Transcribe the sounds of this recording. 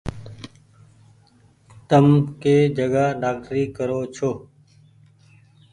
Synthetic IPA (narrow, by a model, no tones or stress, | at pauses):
t̪əmkeːd͡ʒəɡaːɖaːkʈɾiːkəɾoːt͡ʃʰoː